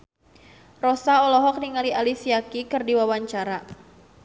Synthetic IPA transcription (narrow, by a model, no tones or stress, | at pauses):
rɔsaɔlɔɦɔk̚niŋalialisiakikɨrdiwawaɲt͡ʃaɾa